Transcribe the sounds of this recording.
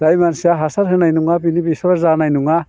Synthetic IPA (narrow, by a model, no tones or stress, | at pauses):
dajmansijaɦasaɾɦɯnajnuŋapinibisaɾzanajnuŋa